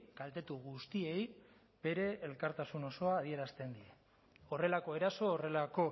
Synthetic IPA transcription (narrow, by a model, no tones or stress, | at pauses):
kalt̪e̞t̪uɣust̪ie̞j | b̥e̞ɾe̞ːlkaɾt̪asuno̞so̞aːð̞ie̞ɾast̪e̞nd̪ie | o̞re̞lako̞e̞ɾaso̞ːre̞lako̞